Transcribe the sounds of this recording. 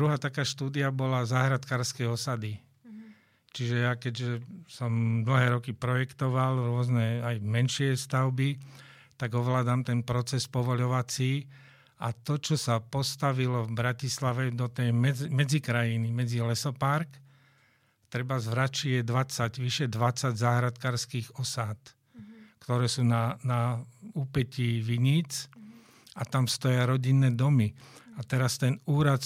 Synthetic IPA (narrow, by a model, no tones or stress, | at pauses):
dɾuɦaːt̪akaːʃt̪uːd̪iabɔlazaːɦɾat̪kaːɾskɛjɔsad̪i | t͡ʃiʒɛjakɛɟʒɛsɔmml̩ɦɛːɾɔkipɾɔjɛkt̪ɔʋalɾʊɔznɛajmɛnʃɪɛst̪aʊbi | t̪aɡɔʋlaːd̪amt̪ɛnpɾɔt͡sɛspɔʋɔʎɔʋat͡siː | at̪ɔt͡ʃɔsapɔst̪aʋilɔvbɾacislaʋɛd̪ɔt̪ɛjmɛmɛd͡zikɾajinimɛd͡zilɛsɔpaɾk | t̪ɾɛbazʋɾat͡ʃijɛd̪ʋat͡saɟʋiʃɛd̪ʋat͡sːaɟzaɦɾat̪kaːɾskiːɣɔsaːt̪ | kt̪ɔɾɛːsuːnanaupɛciːʋiɲiːt͡s | at̪amst̪ɔjaɾɔɟinːɛːd̪ɔmiat̪ɛɾast̪ɛnuːɾat̪